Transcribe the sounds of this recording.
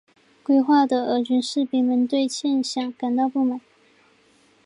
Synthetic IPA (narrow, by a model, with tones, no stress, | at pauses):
kwe˥˧ɪxwa˥˩d̪ə˩ə˧˥t͡ɕy˧˥nʂɻ̩˥˩pi˧˥˩ŋmə˧˥nt̪we˥˧ɪt͡ɕʰjɛ˥˧nɕjɑ˨˩˦ŋka˨˩nt̪ɑ˥˧ʊpu˥˩ma˨˩˦n